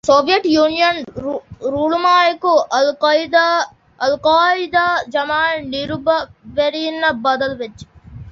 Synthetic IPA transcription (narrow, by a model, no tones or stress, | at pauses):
soːʋijɐʈjuːnijɐn | ɾuːɭumaːjɐkuɐld̪ | ɐlqaːid̪ad͡ʒɐmaːniɾubɐʋɐɾinːɐbɐd̪ɐlʋet͡ʃːi̥